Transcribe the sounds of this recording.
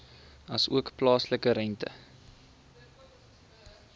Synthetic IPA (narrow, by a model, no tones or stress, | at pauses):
ɐsuəkplɑːsləkəɾɛntə̰